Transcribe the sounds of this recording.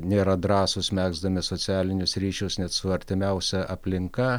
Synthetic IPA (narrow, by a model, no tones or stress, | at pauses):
nʲeːɾɐd̪ɾɑːsʊsmʲæːɡzd̪ɐmʲɪsoːsʲæːlʲɪnʲʊsɾʲiːʃʲʊsnʲɛt̪sʊɐɾʲt̪ʲɪmʲɛʊsʲɛʔɐpʲlʲɪŋkɐ